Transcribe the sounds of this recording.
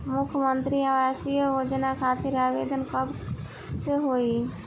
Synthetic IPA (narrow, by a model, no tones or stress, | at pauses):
mukʰjəmənt̪ɾiaʋasijəɦod͡ʒənakʰat̪iɾabed̪ʱənkəb | seɦoi